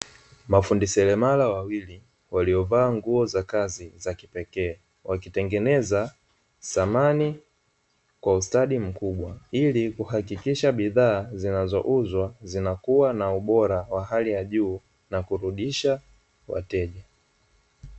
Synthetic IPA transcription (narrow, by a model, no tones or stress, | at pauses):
mafundisɛlɛmalawawili | waliɔvaːŋɡuɔzakazizakipɛkɛː | wakitɛŋɡɛnɛza | samani | kwaustaɗim̩kuɓwailikuhakikiʃaɓiðaːzinazɔ̰ʔuzwazinakuwanauɓɔɾawaɦalijaʄuː | nakuɾuɗiʃa | wa̰tɛʄa